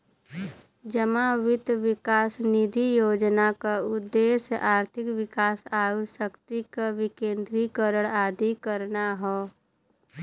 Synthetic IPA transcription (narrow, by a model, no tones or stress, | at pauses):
d͡ʒəmãʋɪt̪ʋɪkaːsnid̪ʱijoːd͡ʒnakaʊd̪ːeːsʔaːɾt̪ʰɪkʋɪkaːsaːʊsəkt̪ikaʋɪkẽːnd̪ɾikəɾəɽaːd̪ikəɾnaɦoː